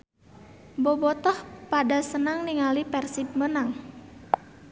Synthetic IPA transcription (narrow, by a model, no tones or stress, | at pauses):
bobɔt̪ɔhpadasənaŋniŋalipɛrsip̚mənaŋ